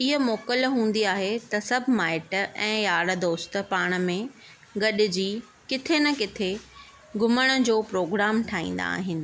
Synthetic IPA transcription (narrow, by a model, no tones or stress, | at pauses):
ɪɦə̆moːkəlɦũːn̆d̪iaːɦet̪ɐsɐbʱmaːɪʈɛ̃ːjaːɽd̪oːst̪ə̆paːɽ̃ə̆mẽ | ɡɐɗɪ̆d͡ʑiː | kɪt̪ʰenɐkɪt̪ʰe | ɡʱʊməɽ̃ə̆d͡ʑoːpɾoːɡɾaːmʈʰaːḭ̃ːn̆d̪a̰ːɦɪ̃nɪ̆